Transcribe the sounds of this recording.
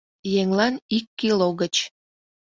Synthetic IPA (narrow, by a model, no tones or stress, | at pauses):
jeŋlɑnikːiloɣət͡ɕ